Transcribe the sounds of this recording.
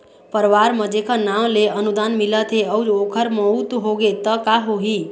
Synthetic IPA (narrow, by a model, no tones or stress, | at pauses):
pəɾʋaɾməd͡ʒekʰənaw̃leənud̪anmilət̪ɦeəwɾokʰəɾməut̪ɦoɡet̪əkaɦoɦi